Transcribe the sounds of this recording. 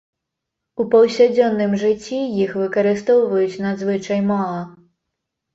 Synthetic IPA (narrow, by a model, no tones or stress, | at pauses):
upɐwsʲad͡zʲɔnːɨmʐɨt͡sʲːijixvɨkɐɾɨst̪ɔwvɐjut͡sʲnad̪zvɨt͡ʂɐjmalˠɐ